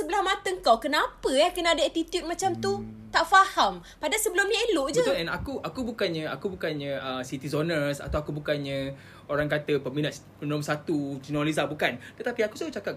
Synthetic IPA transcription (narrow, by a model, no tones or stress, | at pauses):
səbəlahmat̪əəŋkawkənãpəjakənaadaɛt̪it̪jut̪̚mãt͡ʃamt̪ut̪aʔfaham | padasəbəlumɲãeloʔd͡ʒəɛna̰kuʔakubukanɲə̃a̰kubukanɲə̃əsit̪izonərsa̰t̪awakubukanɲə̃ | oɾaŋkat̪əpəminat̪ | pənɔmsat̪ud͡ʒinɔlizabukant̪ət̪apiakusat͡ʃakap̚